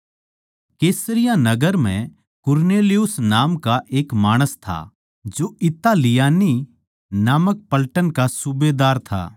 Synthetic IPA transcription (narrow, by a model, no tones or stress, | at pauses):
keːsɾɪjãnɐɡəɾm̤ɛ̰̃ | kʊɾneːlɪjʊsnaːmkaʔeːkmaːɽ̃əst̪ʰa̰ | d͡ʒoʔɪt̪ːalɪjaːni | naːmək̚pɐlʈənkasubeːd̪aːɾt̪ʰa̰ː